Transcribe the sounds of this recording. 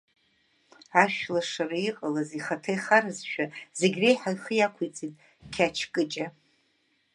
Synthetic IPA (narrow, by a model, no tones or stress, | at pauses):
aʃᶣlaʂaraiqʼalaziχatʰejχaɾɨzʃᶣazeɡʲrejħajχəjakʷʰujt͡sʼitʼ | kʲʰat͡ʃʰkʼɨt͡ʃʼa